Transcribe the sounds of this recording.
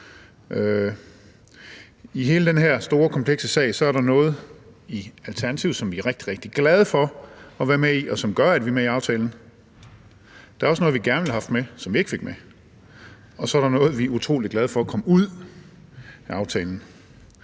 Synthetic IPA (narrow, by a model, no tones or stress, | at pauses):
ø | iɦe̝ːləd̥enɦeɐ̰sd̥o̝ːɐkʰɒ̽mpʰleɡ̥səsɛ̰ɪsɒ̽æɐɾɑ̈nɔ̽ːð̞̩ˠiælt͡sʰæɐnæt͡sʰiʊð̩ˠsɒ̽mʋiæʁeɡ̥̚d̥iʁeɡ̥d̥iɡ̥lɛð̞ˠəfɒ̽ɒ̽ʋæːɐmeiʔɒ̽sɒ̽mɡ̥ɶɐæd̥ʋimeiɑ̈ʊt͡sʰɛːln̩ | d̥ɑæɐɒsnɔ̽ːð̩ˠʋiɡ̥æɐnʋelhɑ̈fd̥mesɒ̽mʋie̝ɡ̥fe̝ɡ̥me | ɒ̽sɒ̽æɐɾɑ̈nɔ̽ːð̞̩ˠʋiut͡sʰʁo̰ːliɡ̥lɛð̞̩ˠfɒ̽ɒkʰɒ̽məuð̰ˠ | ɑ̈ʊt͡sʰɛːln̩